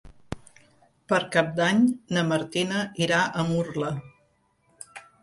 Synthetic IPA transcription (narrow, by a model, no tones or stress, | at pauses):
pəɾkap̚d̪aɲnəməɾt̪inəiɾaʔəmurlə